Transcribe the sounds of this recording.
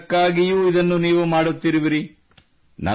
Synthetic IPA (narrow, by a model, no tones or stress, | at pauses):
kːaːɡijuːid̪ɐnːuniːʋumaːɽut̪ːiɾiʋiɾi | nɐ̰